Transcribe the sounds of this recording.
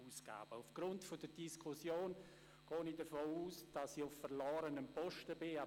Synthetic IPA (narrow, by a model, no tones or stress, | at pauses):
uːsɡ̥a̰ːb̥əufɡ̥ɾʊntfodəd̥iskʰusjoːn | ɡ̥ɔːnidəɐfoːuːsd̥ɑsiʊffəɾlɔːɾənəmpɔʃtəbɪa